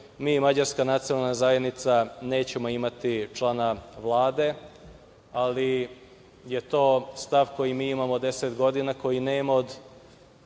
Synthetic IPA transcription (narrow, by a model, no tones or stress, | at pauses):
miːmad͡ʑaɾskanat̪sionalˠnazajed̪nit̪sane̞ːt͡ɕe̞mo̞imat̪it͡ʃlˠanaʋlˠaːd̪e̞ | ali | je̞t̪o̞ːst̪aʋko̞jimiːimamo̞d̪e̞set̪ɡo̞d̪inako̞jine̞ːmood̪